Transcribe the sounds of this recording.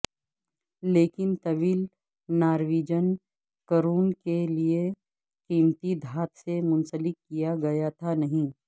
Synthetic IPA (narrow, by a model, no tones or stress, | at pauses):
leːkɪnt̪ɐʋiːl | naːɾʋiːd͡ʒən | kəɾuːnkelie | kiːmt̪id̪ʱaːt̪semʊ̃nsəlɪkːijaɡɐjat̪ʰanɐɦĩː